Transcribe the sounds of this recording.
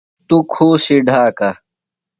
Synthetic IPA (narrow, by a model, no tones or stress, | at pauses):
t̪ukʰuːsiɖʱaːkɐ